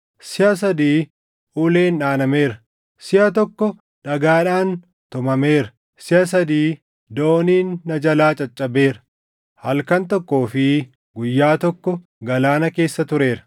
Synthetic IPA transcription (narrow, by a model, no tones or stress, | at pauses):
sɪhɐs̬ɐd̪iː | ʔuːle̞ːnᶑaːnɐme̞ːɾɐ | sɪʔɐt̪ɔkːɔ | ᶑɐɡaːᶑaːn | t̪ʊmɐmeːɾɐ | sɪhɐs̬ɐd̪iː | d̪o̞ːniːnːɐd͡ʒɐlaːt͡ʃʼɐt͡ʃʼːɐbe̞ːɾɐ̥ | hɐlkɐnt̪ɔkːo̞ːfɪ | ɡʊjːaːt̪ɔkːɔ | ɡɐlaːnɐke̞ːsːɐt̪ʊɾe̞ːɾɐ̥